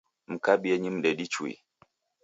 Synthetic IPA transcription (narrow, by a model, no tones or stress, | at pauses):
m̩kaɓiɛɲimɗɛɗit͡ʃuḭ